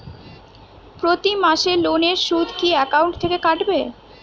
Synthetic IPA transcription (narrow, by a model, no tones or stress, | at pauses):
pɾot̪imaʃeloneɾʃud̪ʱkiɛkawɳʈt̪ʰekekaʈbe